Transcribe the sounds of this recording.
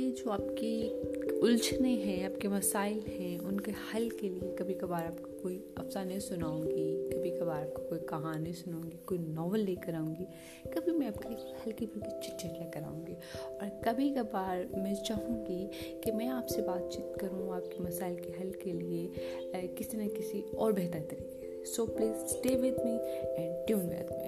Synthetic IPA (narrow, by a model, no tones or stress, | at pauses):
jed͡ʒoːaːpkiʊlt͡ʃneɦɛ̃aːpkemɐsaːɪlɦɛ̃ʊnkehɐlkeliekɐbʱikabaːɾaːpkokoːiɐfsanesʊnaːũːŋɡikɐbʱikabaːɾaːp̚kokoːikɐɦaːnesʊnõːŋɡikoːinɔːʋəlːeːkɐɾaːũːŋɡi | kɐbʱimɛ̃aːpkeehɐlkibʱɐɾkit͡ʃɪt͡ʃeʈlɛːkɐɾa̰ːũːŋɡiːɔːɾkɐbʱikabaːɾmɛ̃ːt͡ʃaːɦũŋɡi | kemɛ̃aːpsebaːt̪t͡ʃiːt̪kɐɾũaːp̚kemɐsaːɪlkeɦɐlkelie | kɪsinɐkɪsiɔːɾbɛɦt̪əɾt̪ɐɾiːkes | soːpleːsʈeːʋɪt̪mĩɛ̃ːɳʈjuːnbɛ̰ːt̪mḭ̃